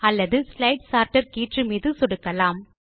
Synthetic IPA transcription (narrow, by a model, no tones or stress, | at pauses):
ɐlːɐðɯslɐɪʈsaːɾʈɐɾkiːʈrɯmiːðɯsɔɽɯkːɐlaːm